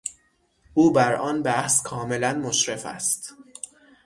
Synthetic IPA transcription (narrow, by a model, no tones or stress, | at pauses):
ʔuːbæɾʔɒːnbæhskʰɒːme̞lænmoʃɾe̞fæ̰st̪